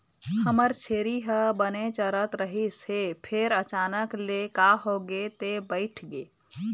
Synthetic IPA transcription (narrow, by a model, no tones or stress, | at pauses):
həməɾt͡ʃʰeɾiɦəbənet͡ʃəɾət̪ɾəɦisepʰeɾət͡ʃanəklekaɦoɡet̪ebəɪʈʰɡe